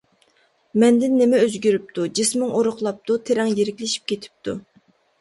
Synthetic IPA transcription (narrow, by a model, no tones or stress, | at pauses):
mɛnd̪ɪnːemɛøzɡʲyɾyp̚t̪ʰud͡ʒismɪŋoɾʊχlˠɑp̚t̪ʰut̪ʰeɾɛŋjeɾɪkʲlɪʃi̥p̚kʲʰet̪ʰɪ̥p̚t̪ʰṵ